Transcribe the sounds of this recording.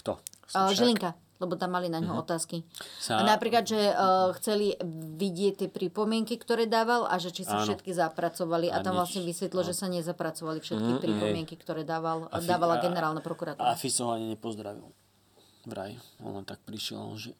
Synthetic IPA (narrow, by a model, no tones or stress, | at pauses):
kt̪ɔʒiliŋka | lɛbɔt̪amːalinaɲɦɔɔt̪aːskianapɾiːklad̪ʒɛxt͡sɛliʋiɟɪɛct̪ːɪɛpɾipɔmɪɛŋkikt̪ɔɾɛːd̪aːʋalʔa̰ʒɛt͡ʃisafʃɛt̪kizapɾat͡sɔʋaliʔat̪amʋlasɲɛʋisʋɛt̪lilʒɛsaɲɛzapɾat͡sɔʋalifʃɛt̪kipɾipɔmɪɛŋkikt̪ɔɾɛːd̪aːʋald̪aːʋalaɡɛnɛɾaːlnapɾɔkuɾat̪uːɾafisaɦɔaɲiɲɛpɔzd̪ɾaʋḭl | vɾa̰jiɔ̰nɔt̪ak̚pɾiʃɪɛ̰l̰lʒɛ